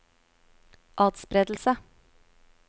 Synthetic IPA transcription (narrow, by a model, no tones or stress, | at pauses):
ʔɑːt̪spɾeːd̪l̩sə